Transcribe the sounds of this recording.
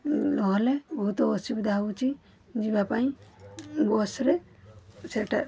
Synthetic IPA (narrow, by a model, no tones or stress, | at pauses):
lɔɦɔlɛbʱut̪ɔɔsibd̪aɦut͡ʃi | d͡ʒibapaj̃ | bɔsɾɛ | sɛʈa